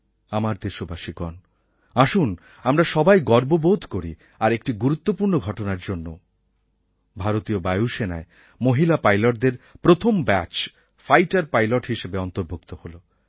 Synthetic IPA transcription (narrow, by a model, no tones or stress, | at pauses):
amaɾd̪eʃobaʃikɔ̰n | aʃun | amɾaʃɔbajɡɔɾbobod̪ʱkoɾi | aɾek̚ʈiɡuɾut̪ːopuɾnoɡʱɔʈonaɾd͡ʑonːo | bʱaɾot̪iobajuʃenae | moɦilapajloʈ̚d̪eɾpɾot̪ʰombɛt͡ɕ | fajʈaɾpajloʈɦiʃebeɔnt̪oɾbʱukt̪oholo